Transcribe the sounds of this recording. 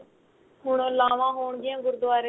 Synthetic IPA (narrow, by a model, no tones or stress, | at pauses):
ɦʊɳõːlaːʋãːɦoːɳɡɪjãːɡʊɾd̪ʊaːɾe